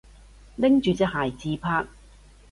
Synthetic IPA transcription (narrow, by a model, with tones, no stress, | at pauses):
lɪ˥ŋt͡ʃyː˨t͡sɛ˥k̚haː˨˩jt͡siː˧pʰaː˧k̚